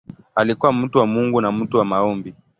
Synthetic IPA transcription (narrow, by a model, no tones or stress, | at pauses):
alikuwam̩tuwamuŋɡunam̩tuwamaɔmbi